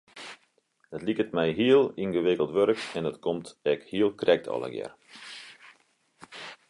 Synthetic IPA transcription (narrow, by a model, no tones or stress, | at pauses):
dɔtlikətmɛjɦiəlˠinɣəʋɪkəlˠtʋøɾəkɛndətkʰomtɛkhiəlˠkrʔɛk̚tʰɔ̰lˠə̰ɡjɛ̰r